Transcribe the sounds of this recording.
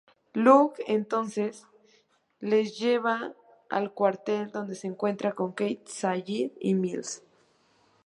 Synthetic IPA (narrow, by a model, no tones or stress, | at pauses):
lukent̪onses | lesjeβa | a̰lkwaɾt̪eld̪o̞nd̪eseːŋkwe̞nt̪ɾakoŋkejt̪sajiðḭmils